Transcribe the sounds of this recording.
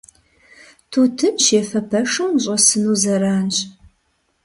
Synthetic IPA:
tʰuːtʰɨnʃeːfɐpʰɐʂɐwnɕʼɐsɨnuːzɐɾaːnɕʼ

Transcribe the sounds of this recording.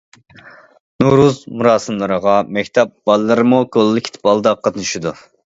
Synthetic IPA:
nuɾuzmuɾɑːsɨmlˠɨɾəʁɑmɛkʲt̪ʰɛp̚b̥ɑlˠːɨɾɨmukʰolˠːɪkʲi̥t̪ʰɪ̥pɑlˠd̪ɑqʰɑt̪nɨʃud̪u

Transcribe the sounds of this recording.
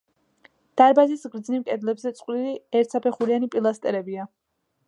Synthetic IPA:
d̪̥aɾbazisɡɾd̪znimkʼɛd̪lɛbzɛt̪sʼqʼwɾiliɛɾt̪sapʰɛχuɾianipʼilˠast̪ʼɛɾɛbia

